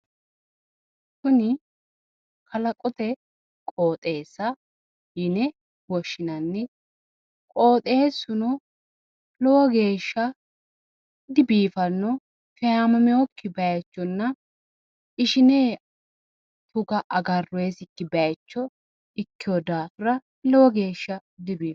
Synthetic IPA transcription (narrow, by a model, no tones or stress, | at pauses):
kʊnɪ | kʰɐlɐkʼɔt̪ɛ | kʼoːt̪ʼe̞ːsːɐ | jɪnɛ | wɔʃːɪnɐnːɛ | kʼo̞ːt̪ʼe̞ːsʊnɔ | lɔwɔɡe̞ːʃːɐ | d̪ɪbiːfɐnːɔ | fɛjaːmɐmɪɔkːɪbɐjɐt͡ʃːɔnːɐ | ɪʃɪneː | t̪ʊɡɐʔɐɡɐrːʊeːsɪkːɪbɐjɐt͡ʃːɔ | ɪkːɪjɔd̪aːfʊɾɐ | lɔwɔɡe̞ːʃːɐd̪ɪbiːf